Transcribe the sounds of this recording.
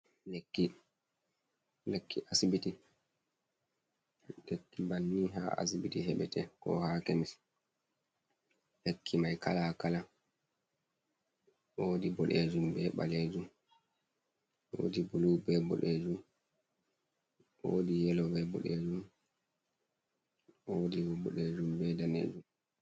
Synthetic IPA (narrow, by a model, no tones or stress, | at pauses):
lekːi | lekʰːiʔasibiti | lekːibanːiɦa̰a̰sibitiɦɛɓɛtɛkɔ̰haːkemis | hekʰːimajka̰lakala | oːdibɔɗed͡ʒumbɛɓa̰leːd͡ʒum | o̰ːdibuluːbɛbɔ̰ɗeːd͡ʒum | ʔodijɛlɔbɛbɔ̰ɗed͡ʒum | ʔodiwɔbɔɗed͡ʒumbɛdanḛːd͡ʒum